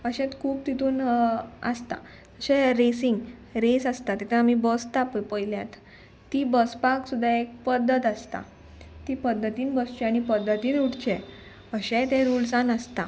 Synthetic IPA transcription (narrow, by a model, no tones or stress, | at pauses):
əɕɛ̃t̪kʰuːb̚t̪it̪uːnə̰st̪a̰ | əɕɛɾesiŋɡɾesast̪at̪ɛt̪ʰɛamibəst̪appəjljat̪ː | ibəspaksud̪ʱaek̚pəd̪ʱət̪ast̪a̰ | t̪ipəd̪ʱːət̪iːnbəst͡ɕɛaɽ̃ipəd̪ʱːət̪iːnuʈt͡ɕɛ | əɕɛ̃t̪ɛ̃ɾulsanəst̪a